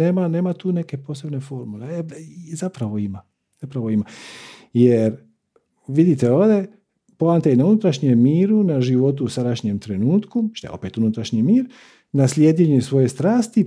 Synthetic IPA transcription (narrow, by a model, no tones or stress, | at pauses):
eːmane̞ːmat̪uːne̞ke̞po̞ːse̞bne̞fo̞ɾmuleeizapɾaʋo̞ima | z̥apɾaʋo̞imajeɾ | ʋid̪it̪eoːʋd̪e̞ | poant̪einaunut̪ɾaʃɲemːiːɾunaʒiʋo̞t̪uːsad̪aʃɲemt̪ɾe̞nuːt̪kut̪a̰eo̞̰peːt̪unut̪ɾaʃɲimiːɾ | naslʲjeːd̪jeɲesʋo̞je̞st̪ɾaːst̪i